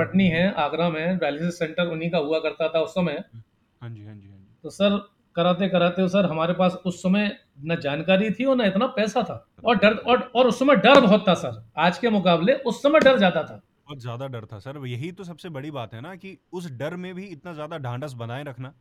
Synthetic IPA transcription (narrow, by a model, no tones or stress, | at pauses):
pɐʈniɦɛ̃aːɡɾamẽʋɛːlisɪssːɛ̃ɳʈəɾʊnɦikaɦʊakɐɾt̪at̪ʰaʊsːɐmə̃ | t̪osɐɾ | kɐɾaːt̪̬ekɐɾaːt̪eɦõsɐɾɦɐmaːɾepaːsʊsːɐmẽ | nɐd͡ʒaːnkaːɾit̪ʰiɔːɾnaɪt̪napɛːsat̪ʰaː | ɔːɾɖɐɾɔːɾɔːɾʊsːɐmɛ̃ɖɐɾbɔɦɔt̪ːasɐɾaːd͡ʒkemʊkaːbleʔʊsːɐmẽɖɐɾd͡ʒaːt̪at̪ʰaːbɔːt̪zjaːd̪aɖɐɾt̪ʰasɐɾjɐɦit̪os̬ɐbsebɐɽibaːt̪ɦɛnakiʊsɖɐɾmẽbʱiɪt̪nazjaːd̪aɖʱãːɳɖəs̬bɐnaːẽɾɐkʰnaː